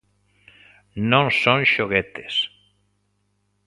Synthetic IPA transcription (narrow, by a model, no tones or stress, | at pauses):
nõŋsõŋʃoɣet̪e̥s